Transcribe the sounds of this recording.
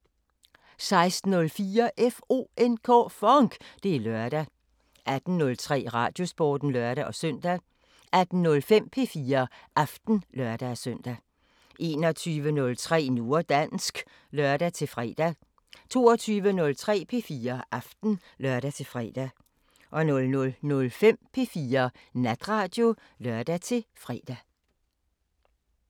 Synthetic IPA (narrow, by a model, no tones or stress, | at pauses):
sɑ̈ɪsd̥n̩ːɔ̽lfiːɐʔefo̝̰ːenkʰɔ̰ːfɒŋɡ̥d̥e̝lɶɐd̥æ | ʔæd̥n̩ːɔ̽lt͡sʰʁɛ̰ːʁɑ̈ːd̥jo̝sb̥ɒ̰ːd̥n̩lɶɐɾ̥æʔɒ̽sœn̰d̥æ | æd̥n̩nɔ̽lfem̰pʰe̝fiːɐʔɑfd̥n̩lɶɐd̥æsœn̰d̥æ | ʔe̝ːnɒ̽t͡sʰyːʋənɔ̽lt͡sʰʁɛ̰ːno̝ːɐd̥ænsɡ̥ | lœɐd̥æt͡sʰe̝lfʁɛ̰ːd̥æ | t͡sʰo̝̰ːɒt͡sʰyːʋənɔ̽lt͡sʰʁɛ̰ːpʰe̝fiːɐʔɑfd̥n̩ | lɶɐɾ̥æt͡sʰe̝fʁɛ̰ːd̥æ | ʔɒ̽nɔ̽lnɔlnɔ̽lfem̰pʰe̝fiːɐnæd̥ʁɑ̈ːd̥jo̝ | lœɐd̥æt͡sʰe̝fʁɛ̰d̥æ